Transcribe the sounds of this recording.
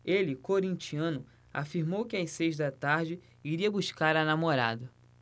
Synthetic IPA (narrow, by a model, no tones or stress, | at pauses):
elɪkoɾĩnt͡ʃiɐ̃nʊ | a̰fiɾmowkɪajsejzd̪ɐt̪aɾd͡ʒɪ | iɾiɐbuʃkaɾɐnamoɾa̰d̪ɐ